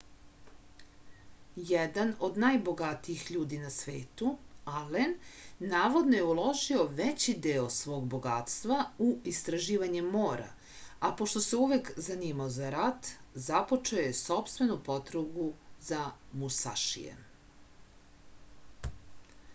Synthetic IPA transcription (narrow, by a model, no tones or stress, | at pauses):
jɛd̪ano̞d̪najbo̞ɡat̪iixʎuːd̪inasʋeːt̪ualenːaːʋo̞d̪no̞jeulˠo̞ʒio̞ʋet͡ɕid̪eosʋo̞ːɡbo̞ɡat̪st̪ʋauist̪ɾaʒiːʋaɲemːoːɾa̰ | apo̞ʃt̪o̞seuʋekzaniːmaozaɾat̪zapo̞t͡ʃeojeso̞pst̪ʋe̞nupo̞t̪ɾoɡuzamusa̰ʃḭjḛ